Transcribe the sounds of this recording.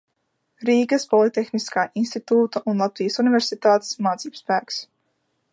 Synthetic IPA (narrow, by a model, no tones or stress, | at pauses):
ɾiːkəspɔlˠit̪ɛxniskaːʔinst̪it̪uːt̪əʔunlˠat̪ʋiːəsunivɛɾsit̪aːt̪smaːt̪sipspæːks